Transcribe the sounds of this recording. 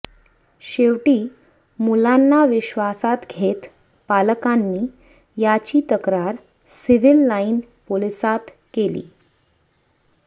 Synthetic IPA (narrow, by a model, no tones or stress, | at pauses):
ɕeʋʈiː | mulanːaʋiɕʋasat̪ɡʱet̪ | paləkanːiː | jat͡ɕiːt̪əkɾaɾ | siʋilːainpolisat̪ | kelḭː